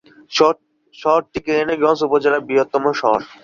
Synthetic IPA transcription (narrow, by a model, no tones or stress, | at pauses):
ʃɔɦoɾʈikeeneɡɔ̃nsupod͡ʑeɾabiɦot̪ːomoʃɔɦo̰ɾ